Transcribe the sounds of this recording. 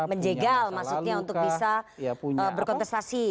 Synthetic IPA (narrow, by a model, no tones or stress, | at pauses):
məɲd͡ʒeɡalmasukɲaunt̪ʊk̚bisauɲəbərkɔnt̪ɛst̪asi